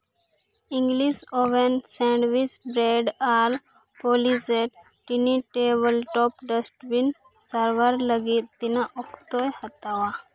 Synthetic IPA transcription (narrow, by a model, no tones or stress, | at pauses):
ĩŋɡlisoʋensɛ̃ɳɖʋit͡ʃbɾeɖal | poliseʈ | ʈiniʈebəlʈɔpɖəsʈbin | səɾʋəɾləɡit̪̚ːinaʔɔkʰt̪ojhət̪awa